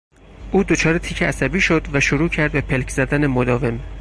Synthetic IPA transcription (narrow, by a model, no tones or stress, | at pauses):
ʔuːd̪o̞t͡ʃʰɒːɾe̞t̪ʰiːcʰeʔæsæbiːʃo̞d̪væʃoɾuːcʰæɾd̪̚be̞pʰelcʰz̥æd̪æne̞mod̪ɒːve̞m